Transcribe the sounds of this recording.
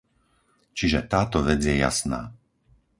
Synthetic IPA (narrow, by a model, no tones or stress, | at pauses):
t͡ʃiʒɛt̪aːt̪ɔʋɛd͡zjɛja̰sna̰ː